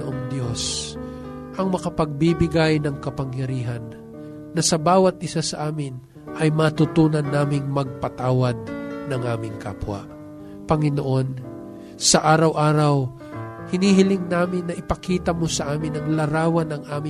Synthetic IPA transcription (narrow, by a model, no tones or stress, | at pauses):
ʔoŋd̪jo̞s | ʔɐŋmɐkɐpɐɡ̚bibɪɡajnɐŋkɐpɐŋjɐɾiːɦɐnː | ɐsɐbaːwɐt̪̚ʔɪsasɐʔaːmɪn | ʔɐjmɐt̪ʊt̪uːnɐnːaːmɪŋmɐɡ̚pɐt̪aːwɐd̪̚nɐŋʔaːmɪŋka̰ːpwɐ̰ | pɐŋɪnoʔo̞n | sɐʔaːɾɐwʔaːɾɐw | hɪniɦɪlɪŋnaːmɪnːɐʔɪpɐkiːt̪ɐmo̞sɐʔaːmɪnɐŋlɐɾaːwɐnɐŋʔaːmɪ